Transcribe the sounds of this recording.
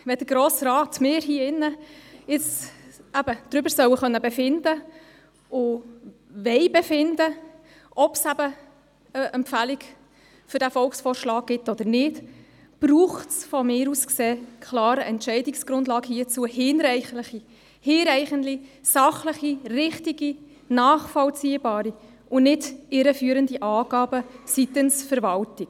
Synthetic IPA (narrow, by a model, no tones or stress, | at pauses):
ʋɛdəɾɡɾɔːsrɑːtmɪːɾɦiəɪnːəɪt͡sæbəd̪̥ɾʏbəɾsœwəχœnːəbɛfɪnd̥ə | ʊ | ʋɛɪbɛfɪndə | ʔɔpsæbə | əʔɛmpfælik | fʏɾd̥æfɔlksfɔːɾʃlɑːk̚ɡ̥ɪtɔd̪əɾnɪt | b̥ɾuːχtsfɔmɪːɾuskseːkʰlɑːɾəʔɛntʃɛɪdiksɡ̥ɾʊndlɑːɡhiət͡suəhɪːnɾɛɪχləχi | hɪːɾɛɪχənlisɑχləχirɪχtiɡi | nɑːχfɔlt͡siːəbɑːɾi | ʔʊnɪdɪɾəfyːɾəndiʔɑːɡ̥ɑːbəsit̪ənsfəɾvɑltik